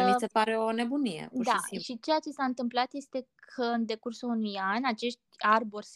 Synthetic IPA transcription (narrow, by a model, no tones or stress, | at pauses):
mise̞paɾe̞o̞ne̞bunijḛud̪aisiʃit͡ʃe̞jat͡ʃe̞saɨnt̪ɨmplat̪je̞st̪e̞kʰəɨnd̪e̞kursounujanʲat͡ʃe̞ʃt̪̚ʲarborʲs